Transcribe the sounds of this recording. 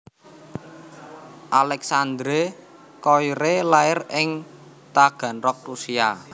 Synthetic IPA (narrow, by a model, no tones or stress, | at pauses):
ʔalɛksand̪ɾe | kɔjɾelaɪrɪŋ | t̪aɡ̥ä̤nrɔk̚rusia